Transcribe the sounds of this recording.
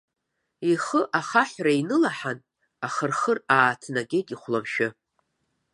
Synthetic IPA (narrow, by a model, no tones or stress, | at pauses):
iχəʔaχaħʷrainɨlaħan | aχərχəraːtʰnaɡʲeɡʲʼiχʷlamʃɪ